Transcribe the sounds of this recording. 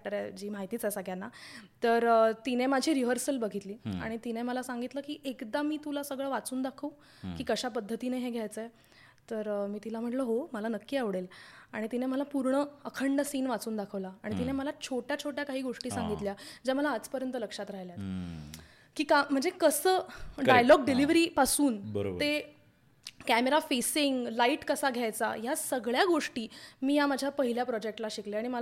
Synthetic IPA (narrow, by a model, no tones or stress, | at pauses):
fk̚ʈəɾed͡ʑiːmaɦit̪iːt͡sasaɡjanːat̪əɾt̪inemad͡ʑʱiːɾiʋəɾsəlbəɡʱit̪liːa̰ɽ̃it̪ineməlasaŋɡit̪ləːkiːʔekd̪amiːt̪ulasəɡɭəːʋat͡suːnd̪akʰəw | kiːkəɕapəd̪ʱːət̪ineɦeɡʱjajt͡səe | t̪əɾmiːt̪ilam̤əʈləɦoməlanəkːiːaʋɽela̰ɽ̃it̪ineməlapuɾɳəəkʰəɳɖəsiːnʋat͡suːnd̪akʰəʋlaaɽ̃it̪ineməlat͡ɕʰoʈjat͡ɕʰoʈjakaɦiːɡoʂʈiːsãŋɡit̪ljad͡ʑaməlaːt͡spəɾjənt̪ələkʂat̪ɾaɦjljat̪ | kiːkam̤əɳd͡zekəsəːɖajlɔɡ̚ɖiliʋɾiːpasuːnbəɾo̰b̪e | kæmeɾafesiŋɡlaiʈkəsaɡʱjajt͡sa̰jasəɡɭjaɡoʂʈiːmiːjamad͡ʑʱjapəɦiljapɾɔd͡ʑek̚ʈlaɕikleaɽ̃iməla